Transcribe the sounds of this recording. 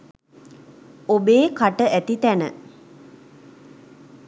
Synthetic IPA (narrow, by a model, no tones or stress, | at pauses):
obeːkaʈəʔæt̪it̪ænə